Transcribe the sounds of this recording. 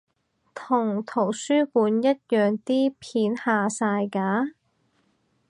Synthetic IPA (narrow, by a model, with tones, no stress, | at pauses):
t̪ʰʊ˨˩ŋt̪ʰo˨˩wsyː˥puː˨˥njɐ˥t̚jœː˨˧ŋt̪iː˥pʰiː˨˥nhaː˨saː˧jkaː˨˥